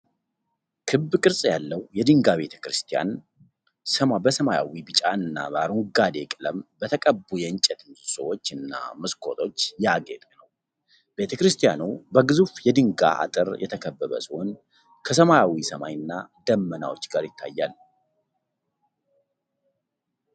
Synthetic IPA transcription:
kʰɨbkʼɨɾsʼjalːəwjɛd̪ɨŋɡaβe̞t̪ʰə̥kɾɨst̪ʰija̰n | səbəsəmaja̰wibɨt͡ʃʼaɨnːa̰baɾuŋɡad̪e̞kʼɨləmbət̪ʰəkʼəbːujɛɨɲt͡ʃʼɛt̪nsəwo̞t͡ʃːɨnːa̰məskʰo̞t̪ʰo̞t͡ʃːjaɡet̪ʼnəw | b̥e̞t̪ʰəkɾɨst̪ʰijanubəɡɨzufjɛd̪ɨŋɡa̰ʔa̰t̪ʼɨɾjʔɛ̰t̪ʰəkʰəbːəβə̰sɨho̞n | kʰəsəmajawisəma̰jɨnːad̪əmːəna̰wo̞t͡ʃːɡaɾjɪt̪ʰːa̰jːalː

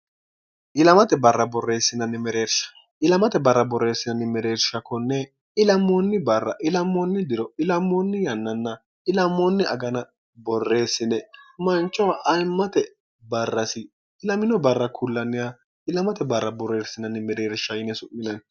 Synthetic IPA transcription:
ʔɪlɐmɐt̪ɛbɐrːɐbɔrːe̞ːsːɪnɐnɪmɛɾeːɾʃɐ̥ | ɪlɐmɐt̪ɛbɐrːɐbɔrːe̞ːsːɪnɐnːɪmɛɾe̞ːɾʃɐkːɔnːɛ | ɪlɐmːonːɪbɐrːɐ̰ʔɪlɐmːɔnːɪd̪ɪɾɔɪlɐmːonːɪjɐnːɐnːɐ | ɪlɐmːonːɪɐ̰ɡɐnɐ | bɔrːe̞ːsːɪnɛmɐnt͡ʃʼːɔwaʔɐjmːɐt̪ɛ | bɐrːɐsɪ | ɪlɐmɪnɔbɐrːɐkʰʊlːɐnɪja | ɪlɐmɐt̪ɛbɐrːɐbɔre̞ːɾsɪnɐnːɪmɛɾeːɾʃɐjɪnɛsʊʔɪnɐn

